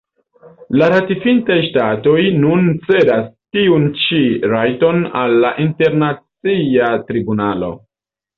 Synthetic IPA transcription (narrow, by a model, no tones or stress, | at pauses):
laɾatifintajʃtato̞jnunt͡se̞dastiunt͡ʃiɾajto̞nalːaʔinte̞ɾnat͡siatɾibunalo̞̰